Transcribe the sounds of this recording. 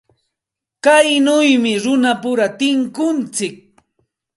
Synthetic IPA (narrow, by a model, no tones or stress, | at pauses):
kajnʊjmɪɾʊnapʊɾat̪ɪŋkʊnt͡sɪk̚